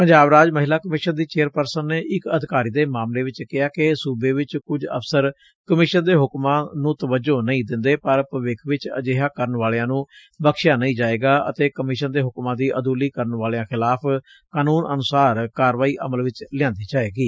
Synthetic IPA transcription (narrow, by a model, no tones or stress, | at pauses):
pəɲd͡ʒaːbɾaːd͡ʒməɦɪlaːkəmɪʃənd̪iːt͡ʃeːəɾpəɾsənːeːʔɪkəd̪ɪkaːɾiːd̪eːmaːmleːʋɪt͡ʃkɪɦaːkɪsuːbeːʋɪt͡ʃkʊd͡ʒə̰psəɾ | kəmɪʃənd̪eːɦʊkmãːnũːt̪əʋəd͡ʒoːnəĩːd̪ɪ̃nd̪eːpəɾpəʋɪkʰʋɪt͡ʃə̰d͡ʒeːɦaːkəɾənʋaːlejãːnũː | bəkʃjaːnəĩːd͡ʒaːeːɡaːʔə̰t̪eːkəmɪʃənd̪eːɦʊkmãːd̪iːʔəd̪uːliːkəɾənʋaːleãːkʰɪlaːpʰ | kaːnuːnʔə̰nʊsaːɾkaːɾʋaːiːʔə̰məlʋɪt͡ʃlɪjãːnd̪iːd͡ʒaːeːɡiː